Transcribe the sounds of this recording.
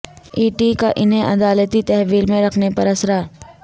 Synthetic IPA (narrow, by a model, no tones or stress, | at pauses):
iːʈikaʔɪnɦẽʔɐd̪aːlət̪it̪ɛɦʋiːlmẽɾɐkʰnepɐɾɐsɾaː